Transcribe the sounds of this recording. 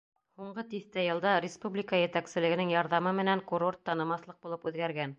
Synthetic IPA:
huɴɢɤt̪iθt̪æjɤ̆lˠd̪ɑɾʲɪspublʲikɑjɘ̆t̪æksɘ̆lɘɡɘ̆nɘŋjɑɾðɑmɤmɘ̆næŋkuɾo̞rt̪ːɑnɤ̆mɑθlˠɤq̚bulˠɤpʉðɡæɾɡæn

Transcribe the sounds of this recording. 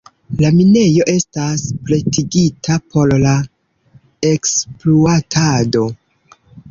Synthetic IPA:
lamine̞jo̞ʔe̞staspɾe̞tʰiɡitʰapʰo̞ɾla | e̞kspluatʰado̞

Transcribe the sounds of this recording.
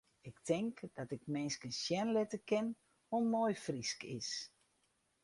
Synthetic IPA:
ɪktʰɪŋkd̥ɔtɪk̚mɪnskənsjɛnlɪtəkɪn | omoːjfriskɪs

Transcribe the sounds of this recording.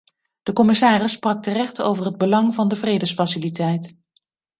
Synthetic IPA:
d̥əkɔmɪsaːrɪsːprɑk̚tərɛχto̰wvəɹɦəd̚bəlɑŋvɑndəvrejdəsfɑsɪlitɛjt

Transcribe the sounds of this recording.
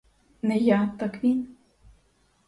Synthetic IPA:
nɛjat̪akʋʲin

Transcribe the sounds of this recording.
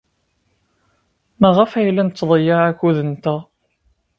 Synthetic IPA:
mæʁəfæjlːænət͡s̪ːðˤəjaækːuðənt̪æ

